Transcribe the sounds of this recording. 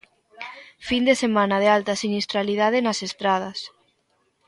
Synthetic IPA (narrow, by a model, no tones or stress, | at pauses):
find̪esemãnɐðealt̪ɐsinist̪ɾalið̞að̞enasest̪ɾað̞ɐs